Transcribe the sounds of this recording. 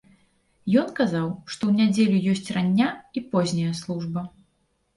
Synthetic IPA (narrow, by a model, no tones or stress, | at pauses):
jɔnkazawʂt̪ɔwnʲad͡zʲelʲujɔsʲt͡sʲranʲːaipɔzʲnʲɐjɐslˠuʐbɐ